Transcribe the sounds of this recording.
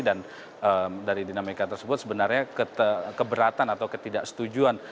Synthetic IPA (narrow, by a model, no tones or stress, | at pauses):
dan | əmdaɾidinamikat̪ərsəbʊt̪̚səbənarɲakət̪əkəbəɾat̪anat̪awkət̪idaʔsə̥t̪ud͡ʒuan